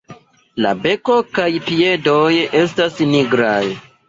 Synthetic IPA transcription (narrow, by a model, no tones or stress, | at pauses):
la̰be̞ko̞kajpie̞doje̞stasniɡɾaj